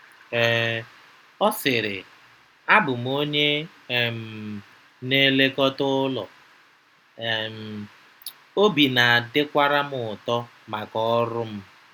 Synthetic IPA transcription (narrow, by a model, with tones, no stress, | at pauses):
ɛ˨ | ɔ˦sɪ˨ɾɪ˨ | a˦bʊ˨m˦o˦ɲe˦˨ | m̩˨ | ne˦le˦kɔ˦tʊ˦lɔ̰˨ | m̩˨ | o˦bi˨na˨a˨dɪ˦kʷa˦ɾa˦mʊ˨ʊ˨tɔ˦ | ma˨kɔ˦ɾʊ˦m̩˦